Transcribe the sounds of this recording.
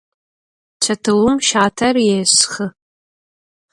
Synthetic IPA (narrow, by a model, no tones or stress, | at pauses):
t͡ʃʰatʰɨwʊmʃaːtʰarjesχə